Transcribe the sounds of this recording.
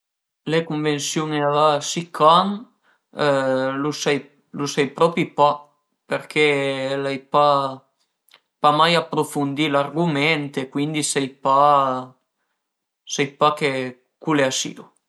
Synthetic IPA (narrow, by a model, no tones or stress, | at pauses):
lekuɱvensjuːneavasikʰan | lusɛj | lusɛjpɾɔpɾipa | peɾkʰelajpa | pamajapːɾofund̪ilarɡument̪ekwind̪isɛjpa | sɛjpake | kuleasḭu